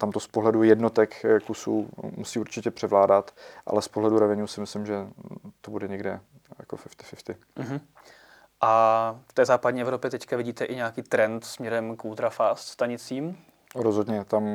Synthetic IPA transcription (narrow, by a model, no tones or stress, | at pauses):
t̪amt̪ospoɦlɛdujɛdno̞t̪ɛkkusṵːmusiːuɾt͡ʃɪcɛpr̝̥ɛvlaːdat̪ʔa̰lɛspoɦlɛduɾɛvɛɲuːsɪmɪslɪmʒɛt̪obudɛɲɛɡdɛ | ja̰kofɪft̪ɪ̥fɪft̪ɪ | ʔm̩ɦm̩ | ʔaft̪ɛːzaːpadɲiːʔɛvɾo̞pjɛt̪ɛckavɪɟiːt̪ɛʔɪɲɛakiːt̪ɾɛnt̪smɲɛɾɛmkʔuːt̪ɾafaːst̪st̪aɲɪt͡siːm | ɾozɦodɲɛt̪am